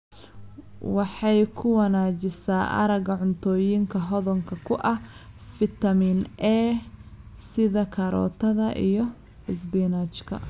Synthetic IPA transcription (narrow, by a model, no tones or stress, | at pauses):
wɑħɑjkʰʊwɑnaːt͡ʃɪsaːʔɐ̰ɾɐɡɐʕʊnt̪ʰɔːjɪŋkʰɐɦɔðɔŋkʰɐkʰʊʔɐhfɪt̪ʰɐmiːnʔɛː | sɪðɐkʰɐɾɔ̰ːt̪ʰɐðɐʔḭjɞ | ɪsbinat͡ʃkʰɐ̰